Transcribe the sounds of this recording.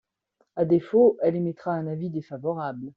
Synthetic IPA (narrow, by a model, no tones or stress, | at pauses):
ad̪efoʔɛlemɛt̪χaɛ̃navid̪efavɔʁabl